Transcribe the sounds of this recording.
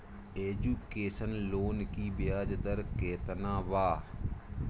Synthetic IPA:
eːd͡ʒuːkeːsənloːnkiːbɪjaːd͡ʒd̪əɾkeːt̪nãːʋaː

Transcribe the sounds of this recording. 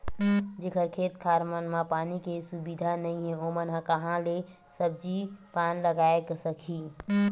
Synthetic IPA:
d͡ʒekʰəɾkʰeːt̪kʰaːɾmənmãpaːnikesubid̪ʱanəɦĩɦɛ̃omənɦãkəɦãle | səb̚d͡ʒipaːnləɡaːeksəkʰi

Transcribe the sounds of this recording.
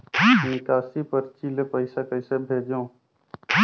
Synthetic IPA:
ɦĩkaːsipəɾt͡ʃilepəɪsakəɪsebʱeːd͡ʒõː

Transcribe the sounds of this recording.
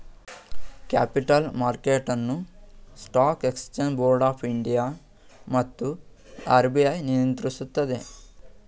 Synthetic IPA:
ka̰ːpiʈɐlmaːɾkeːʈɐnːusʈaːkekst͡ʃenboːɾɖaːpʰiɳɖijaː | mɐt̪ːu | a̰ːɾbijɐjnijɐnt̪ɾisut̪ːɐd̪e̞

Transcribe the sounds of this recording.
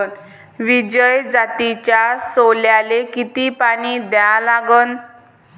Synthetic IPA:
n | ʋid͡ʑəjd͡zat̪it͡ɕjasoljalekit̪iːpaɽ̃id̪jãlaɡən

